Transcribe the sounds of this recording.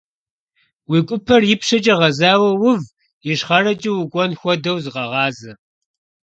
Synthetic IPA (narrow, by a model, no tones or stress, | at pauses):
wikʷʼʊpʰɐrjɪpʂɐt͡ʃʼɐʁɐzaːwɐwʊv | jɪʂχɐrɐt͡ʃʼiwʊkʷʼɔnxʷɔdɐwzʁɐʁɑːzɨ